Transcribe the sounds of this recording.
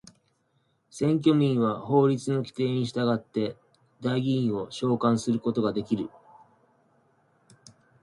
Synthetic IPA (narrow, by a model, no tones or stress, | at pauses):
sẽ̞ŋk̬ʲo̞mʲĩɰ̃βaho̞ːɾʲit͡sɨno̞kʲi̥t̪e̞ːɲ̟iɕi̥t̪aɡat̪ːe̞ | d̪aiɡʲiĩɰ̃o̞ɕo̞ːkãɰ̃sɨɾɯ̟ko̞t̪o̞ɡad̪e̞kʲiɾɯ̟